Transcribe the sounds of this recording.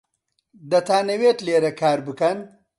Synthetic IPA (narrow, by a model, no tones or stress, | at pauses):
d̪ɐt̪ʰaːneweːtleːɾɐkʰaːɾbɨkɐn